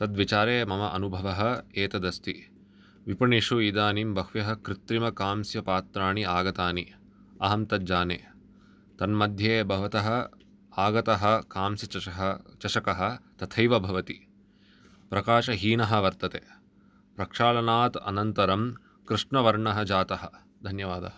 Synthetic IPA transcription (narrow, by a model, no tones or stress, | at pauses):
t̪ɐd̪ʋit͡ʃaːɾeːmɐmɐʔɐnubʱɐʋɐɦɐ̆eːt̪ɐd̪ɐst̪i | ʋipɐɳiʂuiːd̪aːnimbɐhʋjɐɦɐ̆kɾɪt̪ɾimɐkaːmsjɐpaːt̪ɾaːɳiaːɡɐt̪aːni | ɐɦɐmt̪ɐd͡ʒaːnḛː | t̪ɐnmɐd̪ʱjeːbʱɐʋɐt̪ɐɦɐ̆ | aːɡɐt̪ɐɦɐ̆kaːmsjɐɦt͡ʃɐʃɐkɐɦɐ̆t̪ɐt̪ʰɐjʋɐbʱɐʋɐt̪i | pɾɐkaːʃɐɦiːnɐɦɐ̆ʋɐɾt̪ɐt̪eː | pɾɐkʂaːlɐnaːt̪ɐ̰nɐnt̪ɐɾɐm | kɾɪʂɳɐʋɐɾɳɐɦɐ̆d͡ʒaːt̪ɐɦɐ̆ | d̪ʱɐnjɐʋaːd̪ɐɦɐ